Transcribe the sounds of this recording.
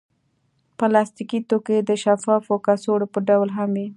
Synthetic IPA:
pəlɑst̪ikit̪oked̪əʃafɑfokasoɽopəɖawlɦamwi

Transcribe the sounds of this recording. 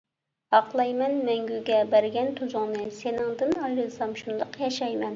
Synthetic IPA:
hɑqlˠɑjmɛnmɛŋɡʲyɡʲɛbæɾɡʲɛnt̪ʰuzʊŋnɨsenɪŋd̪ɨnɑjɾɨlˠsɑmʃund̪ɑqjɑʃɑjmɛn

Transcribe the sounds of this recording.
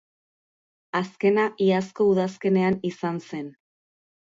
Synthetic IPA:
aske̞naʔiasko̞uðaske̞ne̞anisanse̞n

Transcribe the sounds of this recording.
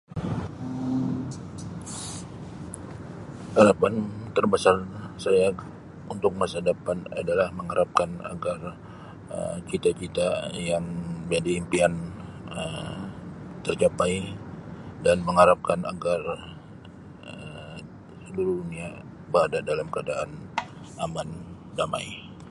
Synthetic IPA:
hadapant̪ərbasarsaja | unt̪ʊk̚masadapana̰dalahməŋaɾʔap̚kana̰ɡar | ə̰t͡ʃit̪at͡ʃit̪ajaŋd͡ʒadiimpianəm | t̪ərt͡ʃapaj | danməŋaɾap̚kana̰ɡar | ə | səluɾudunia | bəɾadadalamkəadaʔan | aman | dama̰i

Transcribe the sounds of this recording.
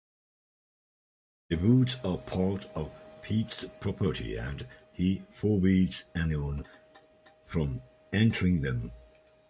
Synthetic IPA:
ðɨbudzəpʰɑɹɾəv̥pʰitspʰɹ̥ɔpʰə˞ɾḭɨ̰̃nhifɔːbidz̥æniə̃n | fɹə̃m | ɛ̃ntʰəɹɪ̃ŋðə̃m

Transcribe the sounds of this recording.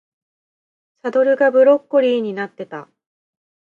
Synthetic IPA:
sad̪o̞ɾɯ̟ɡabɯ̟ɾo̞kːoɾʲiːɲ̟inat̪ːe̞t̪a̰

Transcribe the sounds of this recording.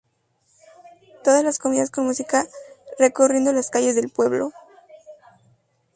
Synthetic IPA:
t̪o̞ðazlasko̞miðasko̞nmusikare̞korje̞nd̪o̞laskaʝe̞zðe̞lpwe̞βlo̰

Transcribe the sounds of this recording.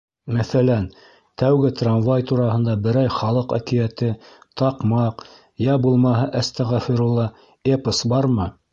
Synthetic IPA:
mæθælæn | t̪æwɡɘt̪ranvajt̪uɾɑɦɤ̆nd̪ɑbɘ̆ɾæjχɑlˠɤqæ̰kĭjæt̪ɘt̪ɑqmɑq | jæbulˠmɑɦɤʔæst̪æʁæfiɾulˠːɑ | epəsbɑɾmɤ

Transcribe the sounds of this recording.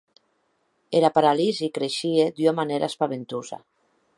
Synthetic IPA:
eɾapaɾalizikɾeʃied̪yamaneɾa̰spaβ̞ent̪uza̰

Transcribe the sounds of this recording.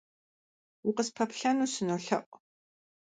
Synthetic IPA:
wʊqəspʰɐpɬɐnuːsɨnoːɬɐ̰ʔʷʼ

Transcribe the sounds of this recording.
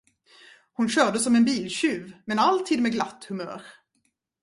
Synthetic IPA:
hʊnɕœːɖəsɔmɛnbiːlɕʉːvmɛnalt̪ʰiːd̪mɛɡlat̪ːhɵmœ̰ːɾ

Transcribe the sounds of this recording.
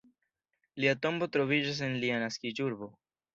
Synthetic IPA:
liato̞mbo̞tɾo̞vid͡ʒas̬enlianaskid͡ʒuɾbo̞

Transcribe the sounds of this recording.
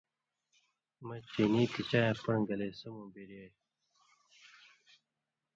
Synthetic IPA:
mɐt͡ɕeniːt̪it͡ɕaːjẽpɐɳɡɐlesɐmõːbiɾe

